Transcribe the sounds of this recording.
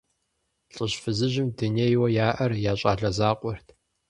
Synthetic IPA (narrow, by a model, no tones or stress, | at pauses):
ɬʼəɕfɨzɨʑɪmduneːjwɐjaːʔɐrjaːɕʼa̰ːɮɐzaːqʷʼʊrtʰ